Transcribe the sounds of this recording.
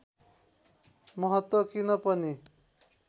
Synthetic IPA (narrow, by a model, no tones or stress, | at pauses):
mʌɦʌt̪wʌkinʌpʌni